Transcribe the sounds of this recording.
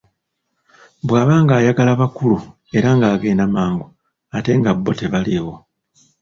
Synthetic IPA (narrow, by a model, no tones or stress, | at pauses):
bwaːβaːŋɡaːjaɡalaβakulu | e̞ɾaŋɡaːɡe̞ːnamaːŋɡu | ate̞ŋɡabːo̞te̞βaliwo̞